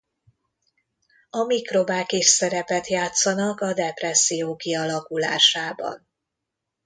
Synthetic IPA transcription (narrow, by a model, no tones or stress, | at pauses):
ɒmikro̞baːkeʃsɛɾɛpɛt̪jaːt̪sɒnɒkɒd̪ɛprɛsːijoːkiɒlɒkula̰ːʃaːbɒ̰n